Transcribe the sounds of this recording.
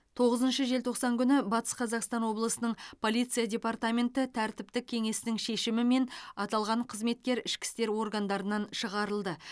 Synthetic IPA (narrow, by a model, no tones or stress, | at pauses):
t̪ʰo̞ʁəzənʃəʒe̞lt̪ʰo̞qsɑŋkʲʰʏnɪbɑt̪ə̥sqʰɑzɑqst̪ɑnwo̞blˠəsənəɴpʰo̞lʲˠijt̪sijadʲe̞part̪amʲe̞nt̪ɪt̪ʰæɾt̪ɪp̚t̪ɪkʲʰe̞ŋe̞sɪnɪŋʃe̞ʃɪmɪme̞nɑt̪ɑlˠʁɑɴqʰəzme̞t̪̚kʲe̞ɾɪʃkʲɪ̥st̪e̞ɾwo̞ɾɡand̪ɑɾənɑnʃəʁɑɾəlˠd̪ə